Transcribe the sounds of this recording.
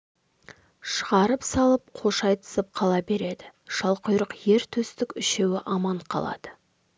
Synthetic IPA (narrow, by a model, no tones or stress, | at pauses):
ʃəʁɑɾəpsɑlˠəp̚qʰo̞ʃɑjt̪ʰə̥səp̚qʰɑlˠɑbe̞ɾe̞d̪ɪʃɑlˠqəjɾəqje̞ɾt̪ʰɵst̪ɪkʲʏʃe̞wɪʔɑmɑɴqʰɑ̰lˠɑ̰d̪̥ə̥